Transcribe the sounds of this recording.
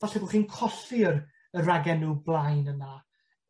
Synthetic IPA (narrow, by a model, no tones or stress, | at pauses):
vaɬɛbʊχiːnkʰɔɬir | əraɡɛnːuːblˠajnəna